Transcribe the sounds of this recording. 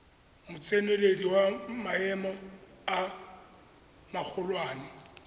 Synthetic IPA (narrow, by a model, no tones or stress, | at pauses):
mʊt͡sʼenelediwamaɛmɔa | mak͡xʰʊlwaːnɪ